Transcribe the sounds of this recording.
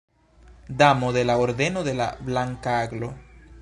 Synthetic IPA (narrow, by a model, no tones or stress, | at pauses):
d̪amoðelaoɾðenoðela̰βlaŋkaaɡlo